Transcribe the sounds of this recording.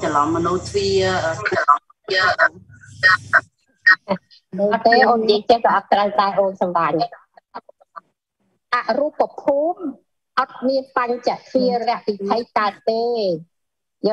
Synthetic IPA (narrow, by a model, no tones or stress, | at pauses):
t͡ɕalɑmːənuːt̪ʰwiəlɑ | iə | t̪eːʔoːnt͡ɕiət͡ɕəhkaʔɑt̪̚t̪ːrəwt̪aɛʔoːnsɑmɓaːɲ | t̪aʔrupːapʰuːm | ʔɑt̪̚miənpaɲt͡ɕaʔt̪ʰiərɛ̆əʔʋit̪ʰəjkaət̪̚t̪eː | jəː